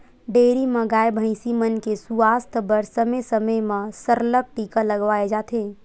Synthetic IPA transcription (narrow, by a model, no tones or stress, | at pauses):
ɖeːɾiməɡaːjbʱə̃ɪ̃simənkesuaːst̪ʰbəɾsəmesəməjmãsəɾləp̚ʈiːkaləɡʋaːed͡ʒaːt̪ʰeː